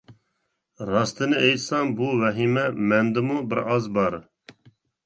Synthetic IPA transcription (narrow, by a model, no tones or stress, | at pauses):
rɑːst̪ɨnɨejsɑːnbuːvɛɦiːmɛmɛnd̪ɨmubɨɾɑzbɑɾ